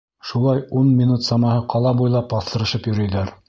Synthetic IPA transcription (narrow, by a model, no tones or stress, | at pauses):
ʃulˠɑjunmʲinut̪sɑmɑhɤqʰɑlˠɑbujlˠɑpbɑθt̪ɤ̆ɾɤ̆ʃɤpjɵ̆ɾɵ̆jlæɾ